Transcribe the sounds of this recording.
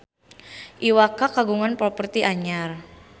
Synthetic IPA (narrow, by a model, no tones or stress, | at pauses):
ʔiwakakaɡuŋanpɾɔpərt̪iʔaɲar